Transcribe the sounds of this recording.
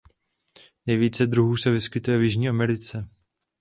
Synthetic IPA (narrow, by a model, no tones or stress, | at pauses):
nɛjviːt͡sɛd̪ɾuɦuːsɛvɪskɪt̪ujɛvjɪʒɲiːʔamɛɾɪt͡sɛ